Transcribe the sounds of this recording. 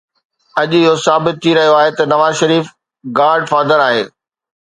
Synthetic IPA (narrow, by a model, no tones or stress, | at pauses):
ɐʄɪɦosaːbɪt̪̚t̪ʰːiɾɐɦijoaːɦet̪ɐnɐʋaːzʃɐɾiːf | ɡaːɾɖfaːd̪əɾaːɦḛː